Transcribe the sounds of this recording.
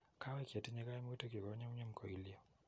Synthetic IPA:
kʰa˦wa˦i˦ki˨a˨ti˦ɲɛ˦ka˦i˦mu˦tɔ˦ki˨kɔ˨˦ɲa˦m˦ɲa˦m̩˨kʰɔ˨i˨li˦ɔ˨

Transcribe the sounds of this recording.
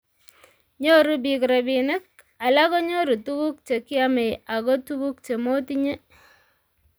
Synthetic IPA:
ɲo˦ɾu˦bi˨kɾa˨bi˨nɪ˦k̚ | a˨la˦kɔ˦ɲo˦ɾu˨tu˦ku˦k̚t͡ʃe˨ki˦a˦me˨ja˨ko˦tu˦ku˦k̚t͡ʃe˨mo˦ti˦ɲe˦

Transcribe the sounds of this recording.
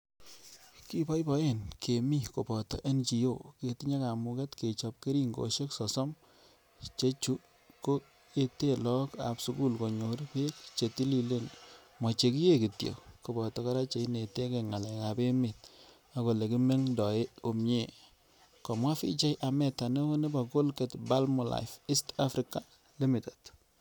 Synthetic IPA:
ki˦bɔ˦jpɔ˦je˦˨nkʰe˨mi˦ko˨bɔ˨tɔ̰˨ʔe˦nt͡ʃi˨jo˦˨ke˨ti˦ɲa˦ka˨mu˨kɛ˦tke˨t͡ʃɔ˨p̚ke˦ɾi˦ŋɡo̰˨ʃe˦ksɔ˨sɔ˦m | t͡ʃe˦t͡ʃu˦ | ko˦ | e˦te˦lɔ˦ka̰˨psu˦ku˦˨lko˨ɲo˨ɾpe˦k̚t͡ʃe˨ti˦li˨le˦n | mɔ˨t͡ʃe˨ki˦je˦ki˨tjo̰˨ko˨bɔ˨tɔ˦ka˦ɾa˦t͡ʃe˨i˦ne˨te˦ke˨ŋa˨lɛ˨ka˨be˦mɪ˨t̚ | a˨ko˨le˨ki˦me˦ŋdɔ˨e˦o˨mɲe˦˨ | kɔ˨mwa˦fḭ˦t͡ʃa˦jʔa˨mɛ˦˨ta˨ne˦o˦ne˦ba˨ko˦lke˨tba˦lmɔ˨la̰˨jfi˦sta˦fɾɪ˦ka˨ | lɪ˦mɪ˨ta˨t

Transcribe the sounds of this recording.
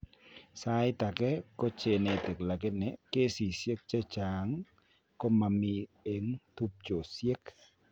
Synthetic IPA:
sa˦jt̪a˨kɛ˦ko˦t͡ʃe˨ne˨t̪i˨kla˨ke˦nɪ˨˦ke˦si˨sje˦k̚t͡ʃa˦t͡ʃa˨ŋ | kɔ˦ma˨mi˧e˨ŋt̪u˦p̚t͡ʃo˨sje˦k

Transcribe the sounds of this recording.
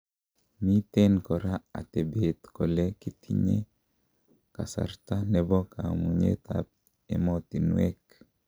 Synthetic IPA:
mi˦t̪enkɔ˨ɾa˦a̰˨t̪e˨be˨t̪kɔ˨le˦ki˦t̪ʰiɲḛ˦ | ka̰˨sa̰˨ɾt̪a˦nɛbɔ˦ka˨muɲḛt̪ap̚ | ḛ˦mɔt̪i˨nuwɛ̰k

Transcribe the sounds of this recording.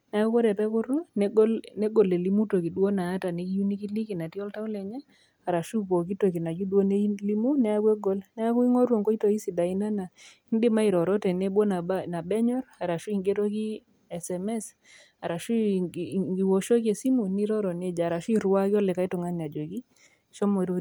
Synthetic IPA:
nɛ˦a˦ku˦kɔ˦ɾɛ˨pɛ˦kʊ˦ɾu˦n˦ɡlnɛ˦ɡɔ˨le˨li˦mu˦to˨ki˨dwo˦naː˨˦ta˨ni˨˦ki˦ju˦ni˦ki˦li˦ki˨na˨ti˦ɔ˦lta˦u˦lɛ˨ɲɛ˦ | a˨ɾa˨ʃu˦po˨k̬i˦to˨ki˨na˨d͡ʒu˦dwo˦ne˦li˦mu˦nɛ˦a˦kwe˦ɡɔ˦lnɛ˦a˦ku˦i˦ŋɔ˦ɾwo˨ŋkɔ˦i˦to˨i˦si˨da˨i˦na˦na˨ | i˦ndɪ˦ma˦i˨ɾɔ˨ɾɔ˦tɛ˨nɛ˦bɔ˦na˨na˨bɛ˦ɲɔ˦ɾa˨ɾa˨ʃu˦i˨ŋɡe˦ɾɔ˦ki˦ | ɛ˨sɛ˨mɛ˦s | a˨ɾa˨ʃu˦ | ɡi˨wɔ˦ʃo˦k̬e˨si˦mu˨ni˦ɾɔ˦ɾɔ˨ne˦˨d͡ʒa˨ɾa˨ʃu˦i˦˨ɾwa˦ki˦ɔ˦lɛ˨ka˨˦i˦tʊ˨ŋa˦n˨a˨d͡ʒo˨ki˦ | ʃɔ˦mɔ˨ɾo˦

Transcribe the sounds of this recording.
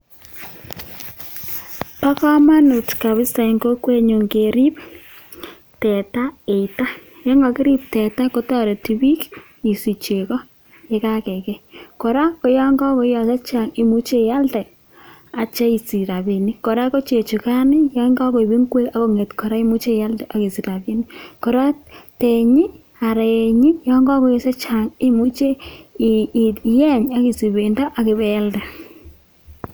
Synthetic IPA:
pa˦kɔ˦ma˦nu˨tka˨βɪ˦sɛ˨ŋɡo˦kwe˦ɲo˨ŋɡe˨ɾi˦p | tɛ˨ta˦e˨ita˦ | jɔ˦ŋɡa˨kɪ˦ɾi˦p̚tɛ˨ta˦ko˦tɔ˦ɾe˨ti˨bi˦k | i˨si˨t͡ʃe˨kɔ˦ | je˦ka˦kɛ˨kɛ˦ko˨ɾa˦ko˨ja˦ŋɡɔ˦kɔ˨˦ja˨sa˦t͡ʃa˨ŋi˨mu˦t͡ʃe˦ja˦ltɛ˨ | a˨t͡ʃa˦i˨si˨ɾa˨bi˨ni˦kɔ˨ɾa˦kɔ˦t͡ʃe˨t͡ʃu˨ka˦nɪ˦jɔ˦ŋɡɔ˦kɔ˨i˨bi˦ŋɡwe˦a˨˦kɔ˨ŋe˨tkɔ˨ɾa˦i˦mu˦t͡ʃe˦˨ja˦ltɛ˨ʔa˨ki˨si˨ɾa˨bi˦ni˦kɔ˨ɾa˦te˨ɲi˦ | a˨ɾe˨ɲi˦jɔ˦ŋɡɔ˦kɔ˨˦jɔ˦sa˦t͡ʃa˨ŋɪ˦mu˦t͡ʃe˦ | jɛ˦ɲa˨ki˨si˨be˨ndɔ˦ʔa˨kɪ˨bɛ˨˦ldɛ˨

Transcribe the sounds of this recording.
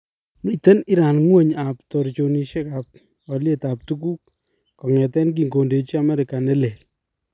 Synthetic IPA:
mi˨te˦ni˦ɾa˨nŋwe˦˨ɲa˨ptɔ˨ɾt͡ʃo˨ni˨ʃe˦ka˨p̚ | ɔ˨lje˦˨ta˨p̚tu˦ku˦k̚ | kɔ˨ŋɛ˨tɛ˦nk̬i˨ŋɡo˨nde˨t͡ʃi˦a˨mɛ˦ɾe˨ka˨nɛ˦le˨l

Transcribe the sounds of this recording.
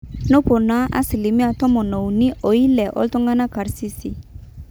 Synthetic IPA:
no˦po˨na˨˦ʔa̰˦si˨li˨mĩ˦a˨tɔ˦mɔ˨nɔ˨u˨ni˦ʔo˨i˦lɛ˨ʔɔ̰˦ltɔ˦ŋɡa˦na˦ka˨ɾsi˦si˨

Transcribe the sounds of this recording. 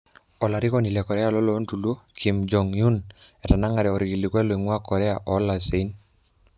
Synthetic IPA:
ɔ˨la˨ɾi˦kɔ˦ni˨lɛ˨kɔ˨ɾɛ˦a˨lɔ˦lɔ˦ntu˨lo˦kʰi˨md͡ʒɔ˨ŋju˦nɛ˨ta˨na˦ŋa˨ɾɛɔ˨ɾi˨ɡi˨likwɛ˦lɔ˨i˨ŋwa˦kɔ˨ɾɛ˦a˨ʔɔ˨˦la˨se˨i˦n

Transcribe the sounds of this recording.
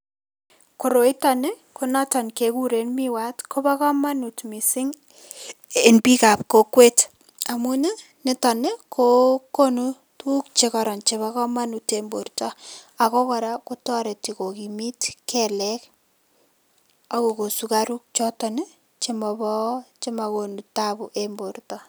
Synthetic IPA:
ko˨ɾo˨i˦tɔ˨ne˦ | ku˦na˦tɔ˨nke˨ku˦ɾe˨nmi˦wa˦tkʰo˦ba˦kɔ˦ma˦nu˨tmi˨sɪ˦ŋ | e˨npi˦ka˨p̚ko˦kwe˦t | a˨mu˦ne˦ | nɪ˦tɔ˨ne˦kʰo˦ko˦nu˦ | tu˦kt͡ʃe˦kɔɾɔ˨nt͡ʃe˨ba˦kɔ˦ma˦nu˨tembo̰˨ɾtɔ˦a˨kɔ˦kɔ˨ɾa˦ko˦tɔ˦ɾe˨ti˨ko˨ki˨mi˦tkʰɛ˦lɛ˦k | a˦ko˨ko˨su˦ka˦ɾu˦k̚t͡ʃɔ˦tɔ˨n˦ | t͡ʃe˦mɔ˨bɔ˦t͡ʃe˦ma˨ko˨nu˨ta˦bu˨ʔe˨mbo˨rtɔ˦

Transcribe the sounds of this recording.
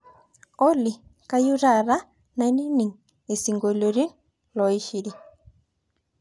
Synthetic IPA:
o˦li˨ka˦ju˦ɾa˨ɾa˦ | na˨˦ni˦ni˨ŋ | e˨si˨ŋɡo˨lo˨ɾi˦n | lɔ˨i˦ʃi˨ɾi˦

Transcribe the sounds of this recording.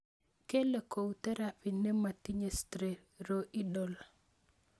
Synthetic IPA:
ke˦le˨ko˨u˨t̪ɛ˦ɾa˦pɪ˨nɛ˦ma˨ti˦ɲe˦stɾe˨ | ɾo˦ʔi˦dɔ˦la˨

